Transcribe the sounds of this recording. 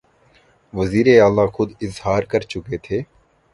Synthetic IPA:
ʋəziːɾeaːlaːxʊd̪ɪzhaːɾkəɾt͡ʃʊkeːt̪ʰeː

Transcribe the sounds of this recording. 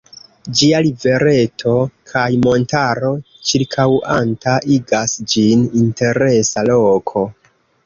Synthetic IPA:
d͡ʒialive̞ɾe̞tʰo̞kʰajmo̞ntaɾo̞ | t͡ʃiɾkʰawʔantaʔiɡasd͡ʒininte̞ɾe̞salo̞kʰo̞

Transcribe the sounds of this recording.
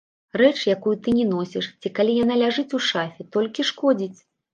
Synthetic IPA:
rɛt͡ʂjakujut̪ɨnʲɛnɔsʲɛʂt͡sʲikalʲijanalʲaʐɨt͡sʲuʂafʲɛt̪ɔlʲkʲiʂkɔd͡zʲit͡sʲ

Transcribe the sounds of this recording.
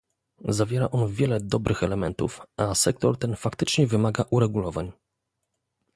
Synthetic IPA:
zavʲjɛɾa̰ʔɔnvʲjɛlɛd̪ɔbɾʔɘxɛlɛmɛnt̪ṵfʔasɛk̚t̪ɔɾt̪ɛnfakt̪ɘt͡ʂɲɛvɘmaɡaʔuɾɛɡulɔvaɲ

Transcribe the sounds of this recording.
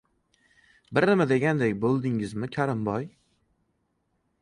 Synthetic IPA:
bɪɾnɪmad̪e̞ɡʲand̪ekʲbolˠd̪ɪŋɪzmɪkʲʰaɾɪmbɒj

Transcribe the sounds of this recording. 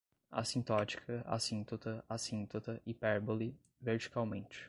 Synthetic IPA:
a̰sĩnt̪ɔt͡ʃi̥kʰɐa̰sĩnt̪ot̪ɐasĩnt̪ot̪ɐʔɪpɛɾboli | veɾt͡ʃi̥kawmẽnt͡ʃɪ̥

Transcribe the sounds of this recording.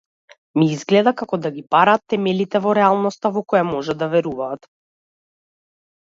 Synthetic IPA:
miizɡlɛd̪akakɔd̪aɡipaɾaːt̪ːɛmɛlit̪ɛvɔɾɛalˠnɔst̪avɔkɔjamɔʒad̪avɛɾuvaːt̪

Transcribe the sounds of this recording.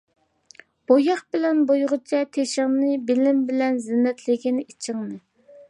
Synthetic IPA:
b̥ojɑχbɪlɛnbojʁʊt͡ʃʰɛt̪ʰeʃɪŋnɨbɪlɪmbɪlɛnzɪnːɛt̪ʰlɪɡʲinit͡ʃʰɪŋnɨ

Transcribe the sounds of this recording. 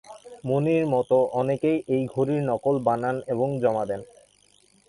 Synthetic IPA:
moniɾmɔt̪oʔɔnekejʔejɡʱoɾiɾnɔkolbananeboŋd͡ʑɔmad̪ɛn

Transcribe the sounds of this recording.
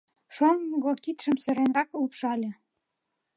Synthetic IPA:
ʃomɡokit̪ʃə̆msɘ̆ɾenrɑklpʃɑlʲĕ

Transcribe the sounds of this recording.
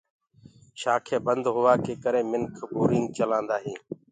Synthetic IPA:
ʃaːkʰeːbənd̪ɦʊʋaːkeːkəɾẽːmɪnkʰbuːɾɪːŋɡ̚t͡ʃəlãːnd̪aːɦĩː

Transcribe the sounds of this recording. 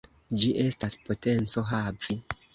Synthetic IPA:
d͡ʒiʔe̞staspo̞te̞nt͡so̞ɦavi

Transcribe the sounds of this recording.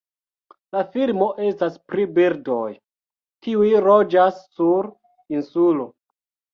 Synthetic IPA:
lafiɾmo̞ʔe̞staspɾibiɾdo̞j | kiujɾo̞d͡ʒasːuɾ | insulo̞

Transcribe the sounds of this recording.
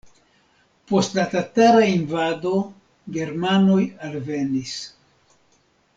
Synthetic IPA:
po̞stlatataɾainvado̞ | ɡe̞ɾmano̞jalve̞nis

